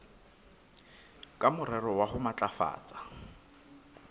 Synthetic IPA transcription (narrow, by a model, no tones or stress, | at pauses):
kʼamʊrɛrɔwahʊmat͡ɬʼafa̰ːt͡sʼḁ